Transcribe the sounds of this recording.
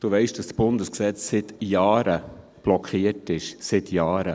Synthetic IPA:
d̥uʋɛɪʃd̥ɑsb̥ʊndəsksɛt͡ssɪt̪jɑːɾə | b̥lɔkχiətɪʃsɪt̪ʰjɑːɾə

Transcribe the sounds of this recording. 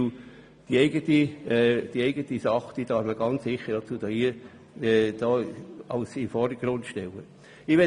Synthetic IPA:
d̥iɛɪɡətid̥iɛɪɡətisɑχd̥iːd̥ɑːfməɡɑnt͡ssɪχːəd̥ɑt͡suːd̥ɑːiː | ɛd̥ɑːɑʊsɪmfɔɾdəɡ̥rʊnd̪ʃtɛlə | ɪʋɛ

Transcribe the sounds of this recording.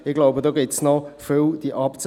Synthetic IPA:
ɪɡlaʊbədoːɡɪtsnɔfʏld̥iʔɑpt͡sə

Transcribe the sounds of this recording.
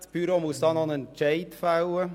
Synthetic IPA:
pyːɾɔmust̪ɑnɑnənt͡ʃɛɪt̪fɑʊə

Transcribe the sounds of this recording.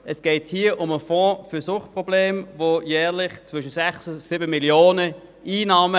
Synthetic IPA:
ɛsɡ̥ɛɪthiːəʔʊməfɔ̃ːfʏsʊχt̚pʁobleːmvojɛːʁlɪχt͡sv̥ʏʃətsɛχssɪbəmiljoːnə | iːnɑːmə

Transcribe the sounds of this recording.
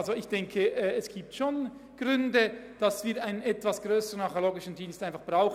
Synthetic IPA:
lzoɪçd̥ɛŋkʰəʔːɛsɡ̥iːp̚tʃoːn | ɡ̥ʁʏndəd̥ɑsv̥iːɾaɪnənɛtv̥asɡ̥ʁøːsəʁənɑχoloːɡɪʃn̩diːnstaɪnfɑχb̥ʁaʊx

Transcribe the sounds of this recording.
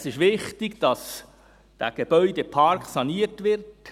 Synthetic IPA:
sɪʃʋɪχtɪɡd̥ɑs | d̥æ̰ɡ̥eb̥œʏdepʰɑɾkχsɑniːətʋɪrt

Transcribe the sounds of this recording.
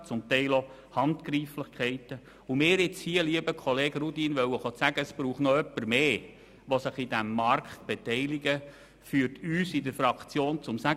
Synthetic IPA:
t͡sʊmt̪ɛɪlo | hɑntkɾiːflɪχkʰχɛɪtə | umɪːɾɪt͡shiəliəbəkʰɔleːɡ̥ɾudinʋœwəχot͡sæɡəəsb̥ɾuːχtnɔœpːəɾmeː | ʋɔsɪχidæmːɑrkχtb̥ɛtɛɪliɡə | fyːəɾtyːsidəfɾɑkt͡sjoːnt͡sʊmsæ

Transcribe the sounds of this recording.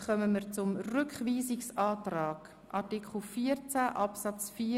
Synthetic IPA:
χœməmiːɾt͡sʊmrʏkχʋiːzɪksɑːtraːɡ̥ | ʔɑtikʰl̩ˠfiːəɾt͡sæʔɑpsɑt͡sfiː

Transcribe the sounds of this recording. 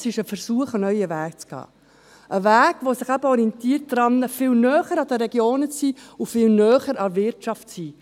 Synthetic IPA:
sɪʃəfərɾsuəχənœʏəvæːkt͡sɡ̥ɑ̰ː | ʔəvæːɡʋosɪχæbəɔɾiɛnt̪iːrt̚d̥ɾɑnːəfɪlnœːχəɾɑd̪əɾɛɡjoːnət͡siːʊfɪlnœːχəɾɑvɪɾtʃɑftsiː

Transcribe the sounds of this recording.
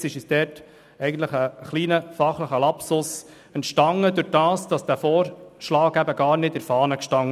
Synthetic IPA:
sɪʃisdɛɾt | ɛɪɡən̩t̪ləχəχliːnəfɑχləχəlɑpsʊs | ɛntʃtɑŋːədɵɾdɑːsd̥ɑsd̥æːfɔːɾʃlɑːɡæbəɡɑːɾnɪtɪɾfɑːnəkʃtɑŋː

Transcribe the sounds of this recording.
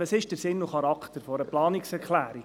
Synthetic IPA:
əsɪʃd̥əɾsɪnːʊχɑɾɑkχt̪əɾfɔɾəplɑːniksɛɾkʰlæːɾi

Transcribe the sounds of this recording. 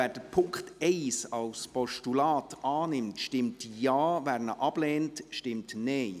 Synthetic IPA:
ɛːd̥əpʰʊŋkχtɛɪsɑlspɔʃtulaːtɑːnɪmtʃtɪmtjɑːvæɾnəʔɑb̥lɛːntʃtɪmtneɪ

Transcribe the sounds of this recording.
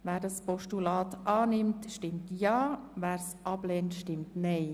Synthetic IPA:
ʋæːɾdɑspɔʃtulɑːtʔɑːnɪmtʃtɪmtjɑːʋæːɾsʔɑblɛːntʃtɪmtnɛɪ

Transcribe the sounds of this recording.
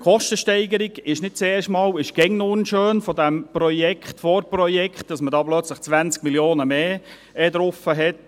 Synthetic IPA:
χɔʃtəʃtɛɪɡəɾiɡɪʃnɪt̚t͡sɛːrʃtmɑːlɪʃɡ̥ɛŋnʊnʃøːnfɔdæmpɾɔjɛkχtfɔɾprɔjɛkχt̚d̥ɑsmədɑːblœt͡sləχt͡sʋænt͡sk̚miljoːnəmeː | ɛdɾʊfəɦɛt

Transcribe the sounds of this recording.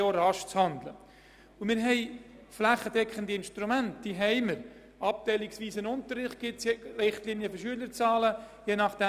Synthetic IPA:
oːɾɑʃt͡shɑnd̪lə̰ | ʊmɪːɾɦɛɪ | flæχːədɛkχəndiɪnʃtɾumæntd̥iːɦɛɪməɾ | ɑp̚tɛɪliksʋiːsənʊnt̪əɾːɪχt̚ɡ̥ɪtsrɪχtlinjəfəʃyələɾt͡sɑːlə | jeːnɑχd̥ɛ

